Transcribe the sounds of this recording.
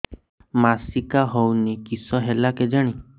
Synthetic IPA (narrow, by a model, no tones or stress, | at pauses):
masikaɦownikisɔɦelaked͡ʒaɽ̃i